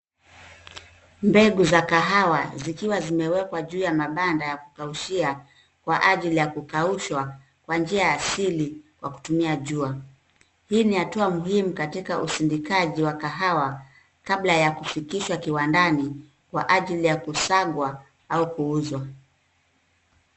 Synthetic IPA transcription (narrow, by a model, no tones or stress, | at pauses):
mbɛɡuzakaɦawazikiwazimɛwɛkwaʄuːjamaɓandajaku̥kauʃia | kwaʔaʄilijakukauʃwa | kwand͡ʒiajaːsilikwaku̥tumiaʄua | hiːnihatuamuhimukatikaʔusindikaʄiwakaɦawa | kaɓlajakufikiʃwakiwandani | kwa̰ʔaʄilijakusaɠwa | aukuuzwa